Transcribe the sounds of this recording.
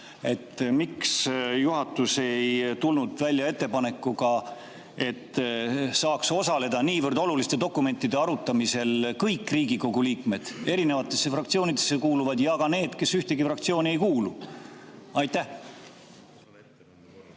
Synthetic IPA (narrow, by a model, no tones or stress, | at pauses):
e̞t̪ːmiksjuɦɑt̪ːˑuse̞jt̪ulnud̪̥vælʲjɑe̞t̪ːe̞pɑne̞kːˑuɡɑ | e̞t̪ːsɑːkso̞sɑle̞d̪̥ɑniːvɤrd̪o̞lulist̪e̞d̪o̞kːˑume̞nt̪ːˑid̪̥e̞ɑɾut̪ːˑɑmise̞lkɤjkːˑriːɡiko̞ɡuliːkme̞d̪̥e̞ɾine̞vɑt̪ːˑe̞sːe̞frɑk̚t̪sio̞ːnid̪̥e̞sːe̞kuːluvɑd̪̥jɑkɡɑne̞ːd̪̥ke̞syht̪e̞ɡifrɑkt̪sio̞ːnʲie̞jkuːlu | ɑjt̪ːˑæh